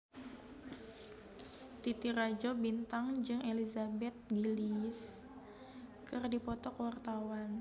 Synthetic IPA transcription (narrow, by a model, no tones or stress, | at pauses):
t̪it̪iɾad͡ʒobint̪aŋd͡ʒɨŋelizabɛt̪̚ɡilis | kɨrdipɔt̪ɔkwart̪awan